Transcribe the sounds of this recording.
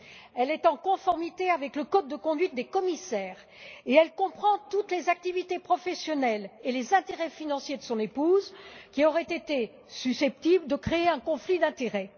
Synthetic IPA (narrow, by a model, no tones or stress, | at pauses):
ɛlɛt̪ɑ̃kɔ̃fɔʁmit̪eavɛkləkod̪̚ːəkɔ̃d̪ɥit̪̚d̪ekɔmisɛːʁ | eɛlkɔ̃pχɑ̃t̪ut̪lezak̚t̪ivit̪epχɔfɛsjɔnɛlelezɛ̃t̪eʁɛfinɑ̃sjed̪əsɔ̃nepuzkʲiɔʁɛt̪et̪e | sysɛp̚t̪ibld̪əkχeeɛ̃kɔ̃flid̪ɛ̃t̪eʁɛ